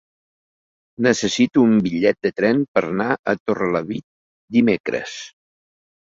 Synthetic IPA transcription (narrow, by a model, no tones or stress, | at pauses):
nəsəsit̪uːmbiʎɛt̪̚d̪ət̪ɾɛmpəɾnaət̪orələβit̪̚ | d̪imekɾə̰s